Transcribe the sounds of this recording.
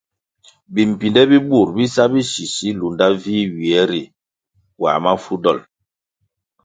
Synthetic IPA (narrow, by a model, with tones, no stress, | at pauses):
bi˨m̩˨pi˨ndɛ˦bi˦bu˦˨ɾbi˦sa˦bi˦si˨si˦lu˨nda˦viː˦ɥi˨ɛ˨˦ɾi˨ | wa̰˨ma˦fu˦dɔ˦˨l